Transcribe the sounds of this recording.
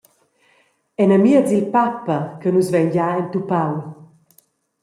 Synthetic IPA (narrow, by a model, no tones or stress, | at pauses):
ɛnəmiət͡silpapːəkənuzvɛɲɟaɛnt̪upaw